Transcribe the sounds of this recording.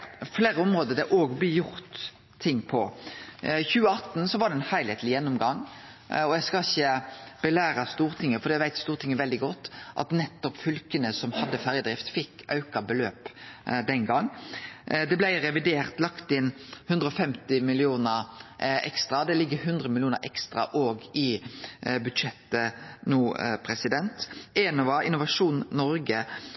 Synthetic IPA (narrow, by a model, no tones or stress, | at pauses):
fleːɾəʊmʁoːd̪əd̪ɛʔoːɡblɪjʊʁt̪ʰː | ɪŋːpʰɔ | çʉːəɑt̪nsɔʋɑʁɾɖ̪ɛɛnhæɪlæɪt̪ʰlɪjɛnːʊmɡɑŋɔjæɡskɑɪçəb̥əlæːɾɑst̪uːʁt̪ʰɪŋːəfɔɾd̪iːæʋæɪt̪st̪uːʁt̪ʰɪŋːəʋɛld̪ɪɡɔt̪ːʔɑ̰t̪nɛt̪ːɔpfʏlkənəsɔmhɑd̪ːəfæːɾjəd̪ʁɪft̪fɪkːɑʉkɑbəløːpd̪ɛnɡɑŋː | d̪ɛblæɪʁɛʋɪd̪eːʁt̪lɑkt̪ɪnhʉnd̪ɾəɔfɛmt̪ɪmɪlɪuːnəɾɛ̰kst̪ɾɑd̪ɛlɪɡːəɦʉnd̪ɾəmɪlɪuːnə̰ɾʔɛ̰kst̪ʁɑ̰ʔoːɡɪ | bʉd̪ʂɛt̪ːənuːpʰɾɛsɪd̪ɛnt̪eːnɔʋɑɾɪ̰nːʊʋɑʂuːnnɔɾɡə